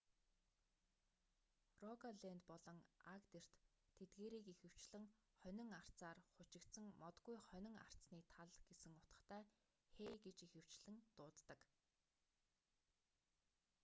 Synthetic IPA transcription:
rɔkaɮent̪pɔɮɞ̆ŋakt̪er̥t̪ʰː | et̪̚ɡeːɾiːkixɘ̆w̥t͡ɕɮɘ̆ŋ | χœnʲɪ̆ŋar̥tt͡saːrχʊt͡ɕɪ̆kt̪sə̆ŋmɔt̪ɡujχœnʲɪ̆ŋa̰r̥sniːt̪ʰaɮɡ̥esɘ̆ŋʊt̪ə̆t̪æː | xeːɡet͡ɕixɘ̆w̥t͡ɕɮɘ̆ŋt̪ʊːt̪ːə̆k

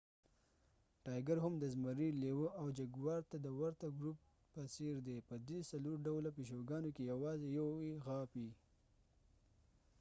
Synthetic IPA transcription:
ʈɑjɡaɾhʊmd̪əzməɾilewəʔawd͡ʒaɡwɑɾt̪ad̪əwaɾt̪aɡɾup̚ | paseɾd̪epəd̪esaloɾɖawlapeʃ̬oɡɑnokejawɑzejaweɣɑpi

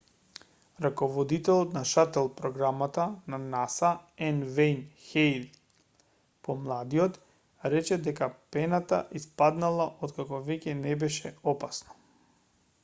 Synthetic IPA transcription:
ɾakɔvɔd̪it̪ɛlˠɔt̪naʃat̪ɛlˠpɾɔɡɾamat̪ananasaɛnvɛjnxɛjl | pɔmlˠad̪iɔt̪ | ɾɛt͡ʃɛd̪ɛkapɛnat̪aʔispad̪nalˠaʔɔt̪kakɔvɛcɛnɛbɛʃɛɔpasnɔ̥

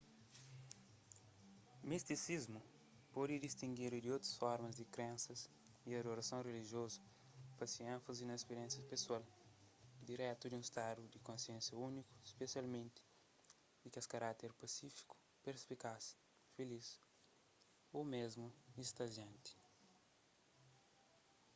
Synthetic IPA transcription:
mist̪isizmu | pɔd̪id̪ist̪ĩŋɡiɾud̪iowt̪ɾɐsfɔɾmɐzd̪ikɾẽnsɐz | iad̪oɾɐsɐ̃w̃reliʒjozɐ | pɐsiẽnfɐzinɐispeɾẽnsjɐpeswal | d̪iɾɛt̪ud̪iũist̪ad̪ud̪ikõsiẽnsjɐuniku̥ispesialmẽnt̪i̥ | dikaskaɾat̪eɾpasifi̥ku̥ | peɾspikas | felis | omezmuist̪ɐʒiɐ̃nt̪i̥

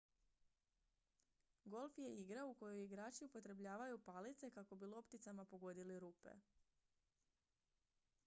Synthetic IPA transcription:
ɡo̞lˠfje̞iɡɾauko̞jojiɡɾaːt͡ʃiupo̞t̪ɾe̞bʎaːʋajupaːlit̪se̞kako̞bilˠo̞pt̪it̪samapo̞ɡo̞d̪iliɾuːpe̞̰

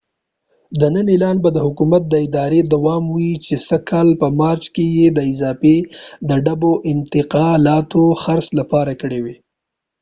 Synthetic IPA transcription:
d̪ənənɪlɑnbad̪əhʊkumat̪̚d̪əɪd̪ɑɾed̪awɑmwit͡ʃesəkʰɑlpəmɑɾt͡ʃkejed̪əɪzɑfed̪əɖaboʔɪnt̪ɪqɑlɑt̪oxaɾslapɑɾakəɽewi

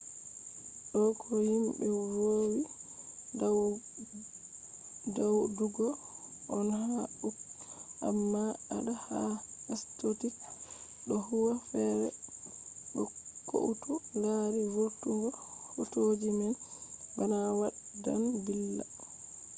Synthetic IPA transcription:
ɗɔkʰɔhimbɛwowi | dawduɡɔ | ʔɔnhaukʔa̰mːaaɗahaastotit | ɗɔhuwafɛɾɛ̰ | ɗɔko̰ʔutulaɾiwutuɡɔfutod͡ʒimanbanawaɗda̰nbilːa̰

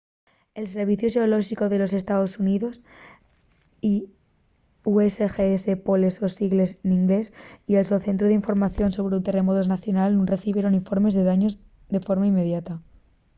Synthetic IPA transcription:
e̞lse̞ɾβ̞iθjoʃeoloʃiko̞ðe̞lo̞se̞st̪aðo̞suniðo̞s | i | uesexeesepolesosiɣle̞sniŋɡle̞sielso̞θe̞nt̪ɾoðeiɱfo̞ɾmaθjo̞nso̞β̞ɾeunt̪e̞re̞mot̪oznaθjo̞nalnũnre̞θiβje̞ɾo̞niɱfo̞ɾme̞zðe̞ðaɲo̞z | d̪e̞fo̞ɾmaimːe̞ð̞jat̪a

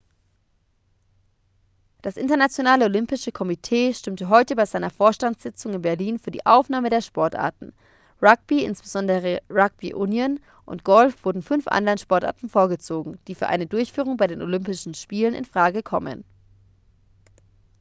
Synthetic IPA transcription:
d̥asʔɪ̰ntɐnat͡sjonaːləolʏmpɪʃəkʰɔmitʰeːʃtʏmtəɦɔʏtəbaɪzaɪnɐfoːɐʃtantz̥ɪt͡sʊŋɪnbɛɐliːnfyːɐdḭːʔaʊfnaːmədeːɐʃpɔɐtʔa̰ɐtn̩ | ʁak̚b̥iɪ̰nsb̥əzɔndəʁəʁak̚b̥iʔʊnjən | ʔʊ̰ntɡ̥ɔlfv̥ʊɐdn̩fʏnfʔa̰ndanʃpɔɐta̰ːɐtn̩foːɐɡət͡soːɡŋ̩d̥iːfyːɐʔa̰ɪnədʊɐçfyːʁʊŋbaɪɾeːnʔolʏmpɪʃn̩ʃpiːlənɪ̰nfʁ̥aːɡəkʰɔmə̰n

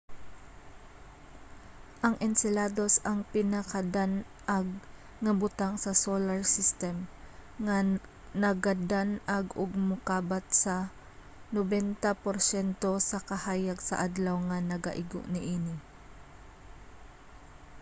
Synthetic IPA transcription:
ʔɐŋʔɛnsɪlaːd̪o̞sɐŋpɪnɐkad̪an | ʔaɡ̚ | ŋɐbʊt̪aŋsɐsolɐɹsist̪ɛm | ŋa | nɐɡɐd̪anaɡʊɡ̚mʊkaːbat̪̚sɐ | nobɛnt̪apoɾsɛnt̪o̞sɐkɐhaːjaɡsɐ̰ʔad̪lawŋɐnɐɡa̰ʔɪɡʊ̰ʔnɪʔiːnɪ

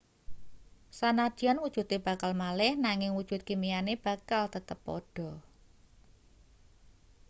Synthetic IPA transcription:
sanad̥ianwud̥ʒ̥ṳt̪eb̥a̤kalmalɪhnaŋɪŋwud̥ʒ̥ṳt̪̚kimijaneb̥a̤kalt̪ət̪əpːɔ̰ɖ̥ɔ̤

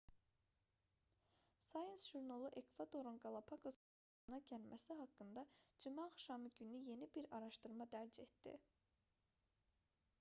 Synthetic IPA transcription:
sɑjensʒ̥uɾnolˠɯʔe̞kʰv̥ad̪o̞ɾunɡɑlˠɑpʰɑkʰoz | nɑɟælmʔæsiɦɑkːɯnd̪ɑd͡ʒimɑːχʃɑmɯɟynyje̞nibiɾɑɾɑʃt̪ɯɾmɑd̪æɾd͡ʒe̞t̪d̪̥ḭ

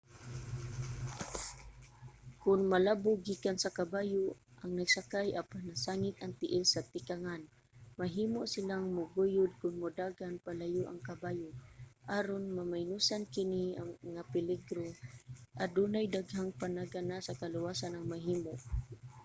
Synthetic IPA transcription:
kʊnmalabʊɡiːkansakabaːjʊʔaŋnaɡsakajʔapanasaŋɪt̪̚ɐŋt̪ɪʔɪlsat̪ɪkaŋan | maɦiːmoʔsɪlaŋmʊɡujʊd̪̚kʊnmʊd̪aːɡanpalajʊʔa̰ŋkabaːjʊʔaɾonmamajnusankɪniaŋapɪlɪɡɾoʔad̪uːnajd̪aɡɦaŋpanaɡanasakalʊwasanɐŋmaɦiːmoʔ

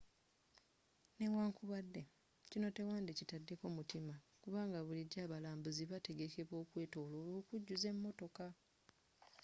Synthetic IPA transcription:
ne̞waːŋkuβadːe̞ | cino̞te̞waːndicitadːe̞ko̞mutimakuβaːŋɡaβuliɟaːβalaːmbuziβate̞ɡe̞ke̞βwo̞ːkwe̞ːto̞ːlo̞ːloːkuɟːuze̞mːo̞to̞ka

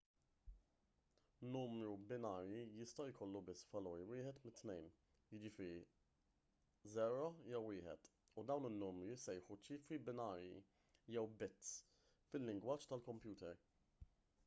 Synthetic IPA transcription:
nuːmɾubɪnɐːɾjijɪst̪ɐwjkʰɔlːubɪsːvɐlɔːɾiwɪːħɛt̪mɪt̪ːnɛjn | jɪd͡ʒɪfɪːɾi | zɛːɾɐjɛwɪːħɛ̰t̪ | ud̪ɐwnɪnːʊːmɾisɛjħut͡ʃiːfɾibɪnɐːɾjḭ | jɛwbɪt̪ː | fɪlːɪŋɡwɐːt͡ʃːt̪ɐlkɔmpjuːt̪ɛɾ

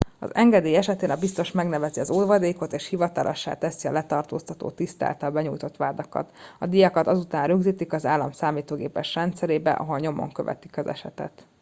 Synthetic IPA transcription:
ɒ̰zɛŋɡɛd̪eːjɛʃɛt̪eːnɒbist̪o̞ʃmɛɡnɛvɛziɒzoːd̪ʋɒd̪eːko̞t̪eːʃhivɒt̪ɒlʔo̰ʃːa̰ːt̪ɛsiɒlɛt̪ɒrt̪o̰ːst̪ɒt̪o̰ːt̪ist̪a̰ːlt̪ɒlbɛɲuːjt̪o̞t̪ʋaːd̪ɒkɒ̰t̪ɒd̪ijɒkɒt̪ɒzut̪aːnrøɡziːt̪ikɒzaːlːɒmsaːmiːt̪oːɡeːpɛʃrɛnt̪sɛɾeːbɛ̰ʔɒ̰ɦo̞lɲo̞mo̰ŋkøvɛ̰t̪i̥kɒzɛ̰ʃɛ̰t̪ɛ̰t̪

